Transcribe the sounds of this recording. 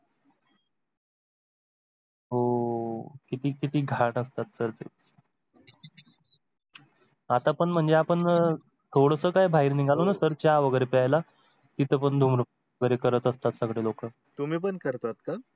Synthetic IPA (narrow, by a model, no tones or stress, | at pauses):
ɦo | kit̪iːkit̪iːɡʱaʈəst̪at̪̚səɾt̪e | at̪apəɳm̤əɳd͡zeapəɳ | t̪ʰoɽəsəːkajbʱaɦiɾniɡʱalonasəɾt͡ɕjaʋəɡəjɾepɛajla | t̪it̪əpəɳd̪ʱumɾu | ɡəɾekəɾət̪əst̪at̪səɡɽelokə | t̪umiːpəɳkəɾt̪at̪̚ka